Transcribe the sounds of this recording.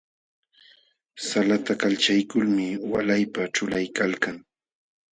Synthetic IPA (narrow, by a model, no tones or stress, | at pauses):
salat̪akalt͡ʃajkʊlmɪwalajpaʈ͡ʂʊlajkalkaŋ